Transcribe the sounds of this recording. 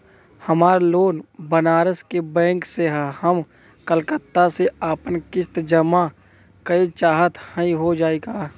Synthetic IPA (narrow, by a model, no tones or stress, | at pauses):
həmaːɾloːnbənaːɾəskebɛ̃ːŋkseɦɛhəm | kəlkət̪ːaseaːpənkɪst̪d͡ʒəma | kəit͡ʃaːɦət̪həĩɦod͡ʒaːeɡaː